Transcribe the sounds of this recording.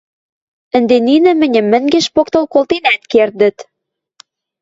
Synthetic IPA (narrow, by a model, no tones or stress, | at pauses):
ə̆nd̪eninɘ̆mɘ̆nʲɘ̆mːɘ̆ŋɡeʃpokt̪olkolt̪enæt̪kerd̪ə̆t̪